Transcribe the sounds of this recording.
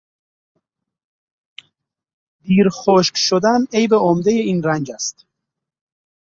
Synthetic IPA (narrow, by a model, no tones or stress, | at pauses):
d̪iːɾxoʃkʃod̪ænejbeomd̪ejeiːnrænd͡ʒæst̪